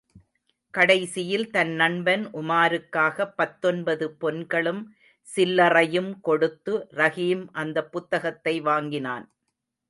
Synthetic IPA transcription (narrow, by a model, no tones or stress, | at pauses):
kɐɽɐɪsɪjɪlt̪ɐnːɐɳbɐnʔʊmaːɾɯkːaːɣɐpːɐt̪ːɔnbɐðɯpɔnɡɐɭɯm | sɪlːɐrɐjɯmkɔɽɯt̪ːɯɾɐɣiːmʔɐnd̪ɐpːʊt̪ːɐɣɐt̪ːɐɪʋaːŋɡɪnaːn